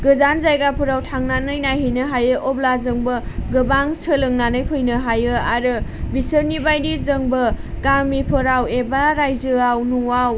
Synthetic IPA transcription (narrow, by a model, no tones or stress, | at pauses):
ɡɯzanzajɡapʰɯɾawtʰaŋnanɯjnajɦɯjnɯɦajɯʔɔblazɯŋbɯɡɯbaŋsʰɯlɯŋnanɯjpʰɯjnɯɦajɯaɾɯbisəɾnibajdizɯŋbɯɡamipʰɯɾawebaɾajzɯawnuaw